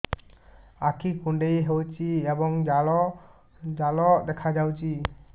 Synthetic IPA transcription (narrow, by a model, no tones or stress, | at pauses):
akʰikuɳɖejɦewt͡ʃiɛbɔŋd͡ʒalɔ | d͡ʒalɔʔd̪ɛkʰad͡ʒawt͡ʃi